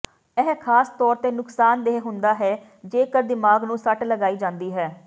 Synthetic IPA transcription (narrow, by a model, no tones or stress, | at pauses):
ɛːɦkʰaːst̪ɔːɾt̪eːnʊksaːnd̪eɦɦʊnd̪aːɦɛː | d͡ʒeːkəɾd̪ɪmaːɡnũːsəʈləɡaːiːd͡ʒãːnd̪iːɦɛː